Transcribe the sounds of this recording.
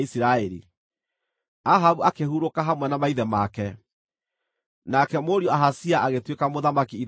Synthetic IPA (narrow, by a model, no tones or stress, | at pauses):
isiɾaeɾḭ | aɦaβuakehuɾokaɦamwɛnamaiðɛmakɛ | nakɛmoɾiɔaɦasiaʔaɣetwekamoðamakiːɾ